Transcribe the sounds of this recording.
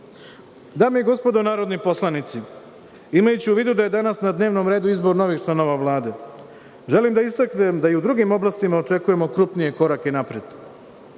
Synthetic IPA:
d̪aːmeeɡo̞spo̞d̪o̞naːɾo̞d̪nipo̞slˠanit̪si | imajut͡ɕiuʋiːd̪ud̪aje̞d̪anasnad̪ne̞ːʋno̞mɾeːd̪uizbo̞ɾno̞ʋixt͡ʃlano̞ʋaʋlˠaːd̪e̞ | ʒe̞limd̪aist̪aknemd̪aiud̪ɾuɡimo̞blˠast̪imao̞t͡ʃe̞kuje̞mo̞kɾupnije̞ko̞ɾakeinapɾed̪̥

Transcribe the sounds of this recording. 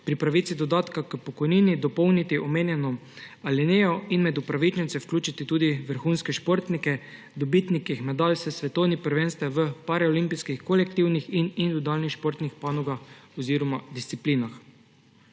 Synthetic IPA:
pɾipɾaʋiːt̪sid̪ɔd̪aːt̪kakəpɔkɔjniːnid̪ɔpɔwnit̪iʔɔmeːnjɛnɔ | alɛneːjɔinmɛd̪upɾaʋit͡ʃnint̪sɛwklʲuːt͡ʃit̪it̪uːd̪iʋəɾxuːnskɛʃpoɾt̪nikɛ | d̪ɔbit̪nikixmɛd̪alsɛsʋɛt̪ɔwnipəɾʋeːnst̪ɛʋəpaɾɛɔlimpiskixkɔlɛkt̪iwnixinind̪ud̪alnixʃpoːɾt̪nixpanɔɡaxɔziːɾɔmad̪isipliːnax

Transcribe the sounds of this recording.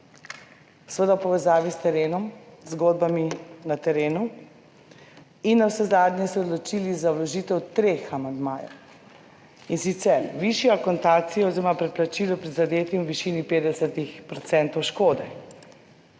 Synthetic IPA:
sʋəd̪awpɔʋɛzaːʋist̪ɛɾeːnɔmzɡoːd̪baminat̪ɛɾeːnu | inːawsɛzaːd̪ɲʲjɛsɛɔd̪lɔt͡ʃilizawlɔʒiːt̪ɛwt̪ɾexamand̪maːjɔ̰w | insit̪sɛɾʋiʃjɔkɔnt̪aːsijɔɔziɾɔmapɾɛplat͡ʃilɔpɾɛd̪zad̪eːt̪imwʋiʃinipeːd̪ɛsat̪ixpɾɔt̪sɛnt̪ɔwʃkoːd̪ɛ

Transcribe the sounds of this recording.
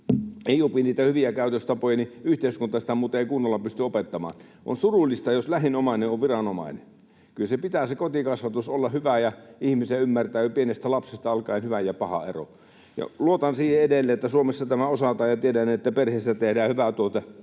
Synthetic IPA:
eˑijupiniːt̪æhyʋiækæˑyt̪øst̪ɑpojɑniyht̪eˑiskunt̪ːˑɑsi̥t̪æmuːt̪ˑɑeˑikunːolːɑpyst̪yopet̪ːɑmɑ̰ːn | ʔo̰nsurulːˑist̪ɑjoslæhinomɑˑineʔoʋʋirɑnomɑ̰ˑinḛ | kylsepit̪æsekot̪ikɑsʋɑt̪usolːɑhyʋæjɑihmiseymːært̪æːpienest̪ælɑpsest̪ɑɑlkˑɑˑenhyʋæjjɑpɑhɑ̰ḛro̰ | jɑ̰luot̪ɑnsiːheedelːeːet̪ːæsuomesːɑt̪æmæosɑt̪ɑːjjɑt̪iedæniet̪ːæperheˑːsːæt̪ehdæːhyʋæt̪uot̪ɑ

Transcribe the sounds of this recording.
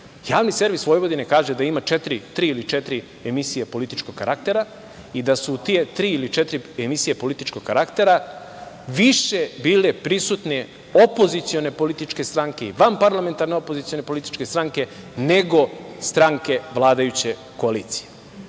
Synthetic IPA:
jaːʋnise̞ɾʋisʋo̞jʋo̞d̪inekaːʒed̪aimat͡ʃet̪ɾit̪ɾiːilit͡ʃet̪ɾi | emisijepo̞lit̪it͡ʃkoɡkːaɾʔakt̪e̞ɾa | id̪asut̪ije̞t̪ɾiːilit͡ʃet̪ɾiemisijepo̞lit̪it͡ʃkoɡkːaɾakt̪e̞ɾa | ʋiʃe̞biːle̞pɾisut̪ne | opo̞zit̪sio̞ne̞po̞lit̪it͡ʃke̞st̪ɾaŋke̞ḭʋampaɾlame̞nt̪aɾne̞opo̞zit̪io̞ne̞po̞lit̪i̥t͡ʃke̞st̪ɾaŋke̞ | ne̞ɡo̞st̪ɾaŋke̞ʋlˠaːd̪ajut͡ɕe̞ | ko̞aliːt̪si̥je

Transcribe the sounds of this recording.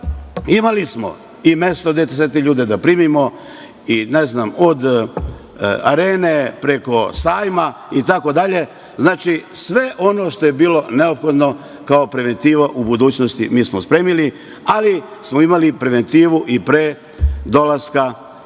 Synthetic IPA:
imalismo̞̰ | ime̞st̪od̪jet̪eset̪eʎuːd̪e̞d̪apɾiːmimo̞ | ineznamod̪ | a̰ɾeːne̞pɾe̞ko̞saːjmait̪ako̞d̪aʎe̞ | znaːt͡ʃisʋe̞ʔo̞no̞ːʃt̪o̞jebiːlo̞ne̞opxo̞d̪no̞ | kaopɾe̞ʋe̞nt̪iːʋaʔubud̪uːt͡ɕnost̪imiːsmospɾeːmili | alismoimalipɾe̞ʋe̞nt̪iːʋuʔipɾeː | d̪o̞laska

